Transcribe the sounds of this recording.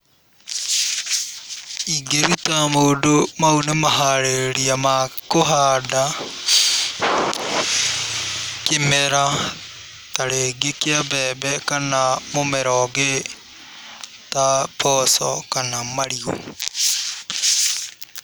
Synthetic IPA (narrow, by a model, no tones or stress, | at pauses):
iɡeɾutamoːdomaunemaɦaɾeɾiamakoɦada | kemɛɾa | taɾeɡekeabɛbɛkanamomɛɾɔɡe | tapɔsɔ̰kanamaɾiɣo̰